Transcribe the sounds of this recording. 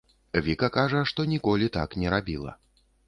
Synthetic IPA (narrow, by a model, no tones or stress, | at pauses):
vʲikɐkaʐɐʂt̪ɔnʲikɔlʲit̪a̰knʲɛɾabʲilˠɐ̰